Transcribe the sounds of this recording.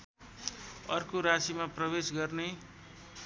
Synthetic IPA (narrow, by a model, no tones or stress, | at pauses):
ʌrkoɾasimaprʌbesɡʌrne